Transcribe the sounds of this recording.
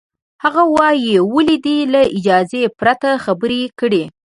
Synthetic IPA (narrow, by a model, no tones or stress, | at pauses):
haɣawɑjewəlid̪ilaɪd͡ʒɑzepɾat̪axabəɾekəɽe